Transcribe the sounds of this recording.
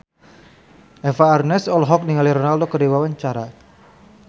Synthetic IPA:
ɛfaːrnɛsɔlɦɔk̚niŋaliɾɔnaldokədiwawaɲt͡ʃaɾa

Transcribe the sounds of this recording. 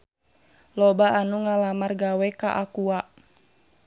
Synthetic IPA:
lɔbaanuŋalamarɡawɛkaʔakua

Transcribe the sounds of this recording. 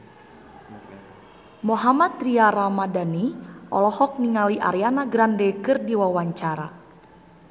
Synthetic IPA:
moɦamat̪riaɾamadaniʔɔ̰lɔhɔk̚niŋaliʔa̰ɾianaɡɾandɛkɨrdiwawaɲt͡ʃaɾa̰

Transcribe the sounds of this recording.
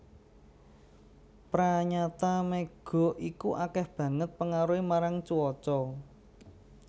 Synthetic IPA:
pɾaɲat̪amɛɡ̥ɔ̤ʔikuʔakɛhb̥ä̤ŋət̪̚pəŋaɾuemaɾaŋt͡ʃuwɔt͡ʃɔ

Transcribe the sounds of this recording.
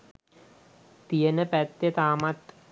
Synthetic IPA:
t̪ijənəpæt̪jət̪aːmat̪

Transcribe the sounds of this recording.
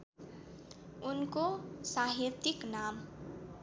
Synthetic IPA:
unkosaɦirt̪iknam

